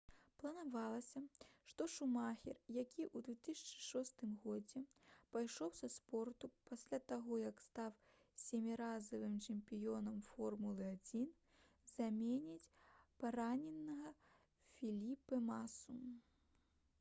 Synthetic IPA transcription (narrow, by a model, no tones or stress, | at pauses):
plˠɐnavalˠɐsʲɐʂt̪ɔʂumaxʲirjakʲiʔud̪vʲɛt̪ɨsʲɐ̥t͡ʂɨ̥ʂɔst̪ɨmɣɔd͡zʲɛpajʂɔwsɐspɔrt̪upasʲlʲat̪aɣɔjɐkst̪aw | sʲemʲiɾazɐvɨmt͡ʂɨmʲpʲijɔnɐmfɔrmulˠɨad͡zʲin | zamʲenʲit͡sʲpaɾanʲɛnːɐɣɐ | fʲilʲipɨmasu